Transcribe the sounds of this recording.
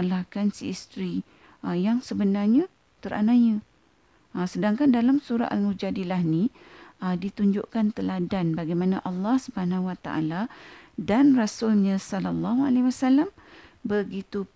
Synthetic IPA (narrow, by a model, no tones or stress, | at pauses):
lahkansḭːst̪ɾi | əjaŋsəbənarɲã | t̪əɾa̰naɲã | əsədaŋkandalamsuɾa̰ʔnud͡ʒadilahnĩədit̪uɲd͡ʒʊʔkant̪əladanbaɡajmãnaʔɑlːɑhsubəɦanãwat̪a̰ʔa̰ladanrasʊlɲãsɔlalːaɦua̰lewasalambəɡit̪u